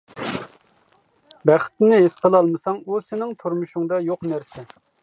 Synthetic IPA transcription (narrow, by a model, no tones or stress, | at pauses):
bæχɪ̥t̪nɪɦesqʰəlˠɑlˠmɨsɑŋusɪnɪŋt̪ʰuɾmuʃʊŋd̪ɑjoqnæɾsɛ